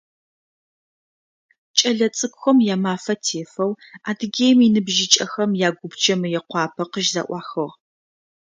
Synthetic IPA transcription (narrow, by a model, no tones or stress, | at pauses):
t͡ʃʼɐɮɐt͡sʼɨkʷxʷɐmjaːmaːfɐtʰeːfɐw | aːdɨɡʲeːjminɨbʒɪt͡ʃʼɐxɐmjaːɡʷʊbd͡ʒɐmɨjɛqʷɑːpʰɐqəʒzɐ̰ʔʷɑːxɨʁ